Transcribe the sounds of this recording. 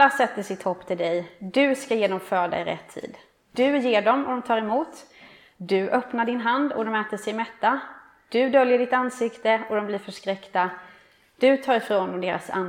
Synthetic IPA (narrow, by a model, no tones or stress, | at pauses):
asɛt̪ːəʂɪt̪ʰhɔpːt̪ʰɪld̪ɛjd̪ɵskajeːd̪ɔmfœːɖa̰ɪɾɛ̰t̪ʰːḭːd̪ | d̪ɵjeːɖɔmɔd̪ɔmt̪ʰɑːɾɛmuːt̪ | d̪ɵʔœpnaɖɪnɦand̪ɔ̰d̪ɔmɛːt̪əʂɛjmɛt̪ːa | d̪̥ɵd̪œljəɖɪt̪ansɪkt̪əɔd̪ɔmbliːɾfœʂkɾɛkt̪a | d̪̥ɵt̪ʰɑːɾɪfɾoːnd̪ɔmd̪eːɾa̰sa̰n